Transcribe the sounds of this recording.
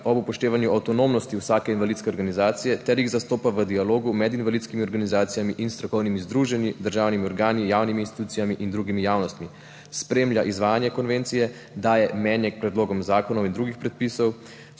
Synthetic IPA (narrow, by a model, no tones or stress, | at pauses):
ɔbupɔʃt̪eːʋanjuʔawt̪ɔnoːmnɔst̪iwsaːkɛinʋalidt̪skɛɔɾɡanizaːt̪sijɛt̪ɛɾjiɣzast̪oːpaʋəd̪ialoːɡumɛd̪inʋalit̪skimiɔɾɡanizaːt̪sijamiʔinst̪ɾɔkɔwnimizd̪ɾuːʒɛnid̪əɾʒaːwnimiɔɾɡaːnijaːwniminst̪i̥t̪uːt̪sijamiʔind̪ɾuːɡimijaːwnɔst̪mi | spɾeːmljaʔizʋaːjanjɛkɔnʋɛnt̪sijɛ | d̪aːjɛmɛːnjɛkpɾɛd̪loːɡɔmzaːkɔnɔwind̪ɾuːɡixpɾɛt̪̚pisɔw